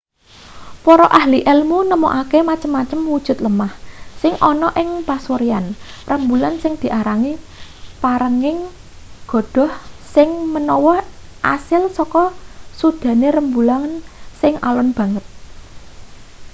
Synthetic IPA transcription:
pɔɾɔʔahliʔɛlmunəmoʔakemat͡ʃəmːat͡ʃəmwud̥ʒ̥ʊ̤t̪̚ləmahsɪŋʔɔnɔʔɪŋpasoɾianrəmbulansɪŋd̪̥i̤ʔaɾaŋi | paɾəŋɪŋ | ɡ̥ɔ̤d̪̥ɔ̤hsɪŋmənɔwɔʔasɪlsɔkɔsud̪̥ä̤neɾəmbulansɪŋʔa̰lɔnb̥a̤ŋət̪̚

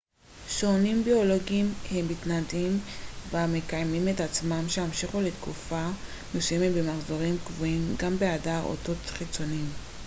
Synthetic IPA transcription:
ʃonimbio̞lo̞ɡimhe̞mːit̪nadimveame̞kajmimet̪at͡smamʃehamʃiχule̞t̪kufa | mesujemebemaχzo̞ʁimkvoimɡambe̞adaʁo̰to̞t̪χit͡so̞nim

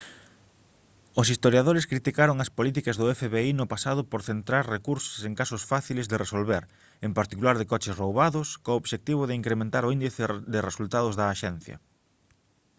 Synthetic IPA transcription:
ʊsist̪oɾjaðoɾɪskɾit̪ikaɾoŋɐspolit̪ikɐzðʊɛfeβeinʊpasaðʊpoɾθent̪ɾaɾrekuɾso̥seŋkasʊsfaθilezðeresolβeɾ | empaɾt̪ikulaɾðɪkɔt͡ʃɪsrowβaðʊskoːβʃek̚t̪iβ̞ʊðɪiŋkɾemẽnt̪aɾʊind̪iθɪðɪresult̪aðʊzðɐːʃɛn̟θjɐ̰

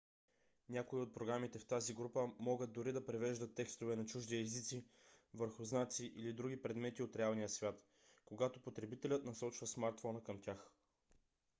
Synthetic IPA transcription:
nʲakoiot̪̚pɾoɡɾamit̪ɛft̪aziɡɾupəmɔɡəd̪̚d̪ʊɾid̪ɐpɾɛvɛʒd̪ət̪ːɛkst̪ovɛnɐt͡ʃuʒd̪iɛzit̪sivəɾxʊznat̪siʔilid̪ɾuɡ̟ipɾɛd̪mɛt̪iot̪ɾɛalˠnijəsvʲjat̪ | koɡat̪opot̪ɾɛbit̪ɛlʲət̪nɐsɔt͡ʃvɐsmaɾt̪fɔnəkəmtʲax

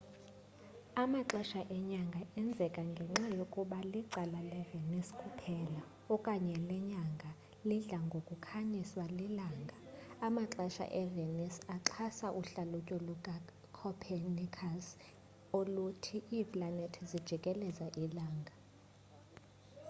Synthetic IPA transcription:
amaǁɛʃaʔɛɲaŋɡʱaɛnd͡zʱɛkʼaŋɡʱɛŋ͡ǁajokʼuɓaliǀalalɛveniskʼupʰɛla | ɔkʼaɲɛlɛɲaŋɡʱa | liɮaŋɡʱokʼukʰaɲiswalilaːŋɡʱaamaǁɛʃa̰ʔɛvenisaǁʰasaʔuɬalucʼɔlua | kʰɔpʰɛnikʰas | olutʰiʔiːpʼlanetʰɛzid̥ʒ̥ʱikʼɛlɛzaʔilaːŋɡʱa

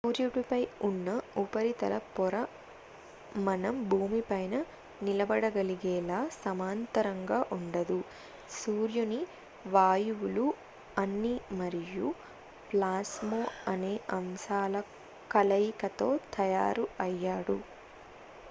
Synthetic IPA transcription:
suːɾjuɽupɐjunːɐupɐɾit̪ɐlɐpɔɾɐ | mɐnɐmbʱuːmipɐjnɐ | nilɐbɐɽɐɡɐliɡɛːlaːsɐmaːnt̪ɐɾɐŋɡaːʔuɳɖɐd̪u | suːɾjuni | ʋaːjuwulu | ɐnːimɐɾiju | plaːsmoːɐneːʔɐmsaːlɐ | kɐlɐjikɐt̪o̞ːt̪ʰɐjaːɾuɐjːaːɽṵ

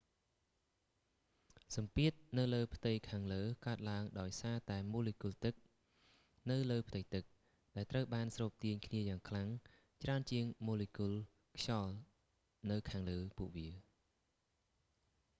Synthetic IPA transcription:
sɑmpiət̪̚nɨwləːpʰt̪ɨjkʰaːŋləːkaət̪̚laəŋɗaɔjsaːt̪aɛmoːlikult̪ɨk̚ | nɨwləːpʰt̪ɨjt̪ɨk̚ | ɗaɛlt̪rəwɓaːnsroːp̚t̪iəɲkʰniəjaːŋkʰlaŋ | t͡ɕraənt͡ɕiəŋmoːlikul | kʰjɑl | nɨwkʰaːŋləːpuəʔʋiə

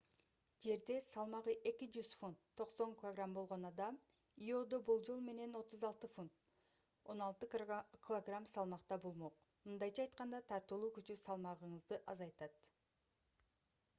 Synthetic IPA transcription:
d͡ʒe̞ɾd̪e̞sɑlˠmɑʁɯʔe̞kid͡ʒyzfunt̪ʰːo̞qso̞ŋkʲɪlˠoɡrambo̞lˠʁo̞nɑd̪ɑm | io̞d̪o̞bulˠd͡ʒo̞lˠme̞ne̞no̞t̪uzɑlˠt̪ɯfunt̪ | o̞nɑlˠt̪ɯkʲʰlˠoɡramsɑlˠmɑqt̪ɑbolˠmo̞q | mɯnd̪ɑjt͡ʃʰɑːjt̪qɑnd̪ɑt̪ʰɑɾt̪ɯlˠuːkyt͡ʃysɑlˠmɑʁɯɴɯzd̪ɯʔɑzɑjt̪ɑt̪

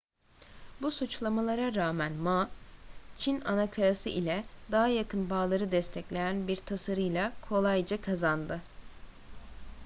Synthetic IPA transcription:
busut͡ʃlˠamalˠaɾaɾaːmænmaː | t͡ʃʰinanakʰaɾasɯ̰ʔilʲɛd̪aɦajakʰɯnbaːlˠaɾɯd̪ɛst̪ʰɛclʲejænbiɾt̪ʰasaɾɯjlˠakʰo̞lˠajd͡ʒakʰazand̪ɯ

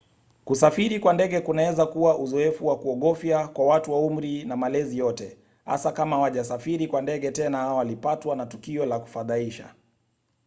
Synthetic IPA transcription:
kusafiɾikwandɛɠɛkunawɛzakuwaʔuzɔɛfuwakuɔɠɔfjakwawatuwaum̩ɾinamalɛzijɔtɛ | ha̰sakamawaʄasafiɾikwandɛɠɛtɛnahawalipatwanatukiɔlaku̥faðaiʃa̰

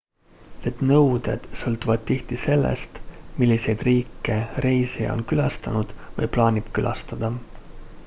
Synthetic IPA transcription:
et̪nɤwd̪̥e̞̰d̪̥sɤlt̪uvɑd̪̥̚t̪iht̪ise̞lːḛst̪milʲːise̞jd̪̥riːkːˑe̞re̞jsejɑ̰o̰nkylɑst̪ɑnud̪̥vɤ̰jplɑːnʲib̥kylʔɑ̰st̪ɑd̪̥ɑ

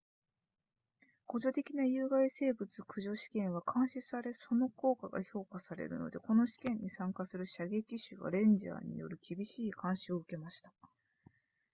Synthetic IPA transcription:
ko̞d͡ʑot̪e̞kʲinajɯ̟ːɡaise̞ːbɯt͡sɨkɯ̟ʑo̞ɕi̥kẽ̞ɰ̃βakʰãɰ̃ɕisaɾe̞so̞no̞ko̞ːkaɡa̰ço̞ːkasaɾe̞̰ɾɯ̟̰no̞̰d̪e̞ko̞no̞ɕi̥kẽ̞ɲ̟ːisãŋkasɨɾɯ̟ɕaɡe̞kʲiɕɨɡa̰ɾẽ̞ɲ̟d͡ʑa̰ːɲ̟ḭjo̞̰ɾɯ̟kʲibʲiɕiːkãɰ̃ɕio̞ɯ̟ke̞maɕi̥t̪ḁ

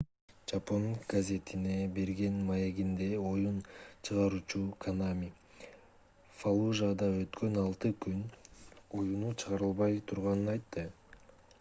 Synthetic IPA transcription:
d͡ʒapo̞ŋɡ̥azʲe̞t̪ʰine̞be̞ɾɡe̞nmaje̞ɡind̪e̞o̞junt͡ʃʰɯʁɑɾuːt͡ʃukʰanamʲi | falˠuʒad̪ɑø̞t̪kø̞nɑlˠt̪ɯkyno̞junut͡ʃʰɯʁɑɾɯlˠβɑjt̪ʰuɾʁɑnɯnɑjt̪ːɯ

